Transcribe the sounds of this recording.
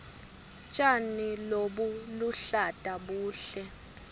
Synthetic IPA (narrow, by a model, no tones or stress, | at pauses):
t͡ʃʼaniloɓuluɬatʼaɓuːɬɛ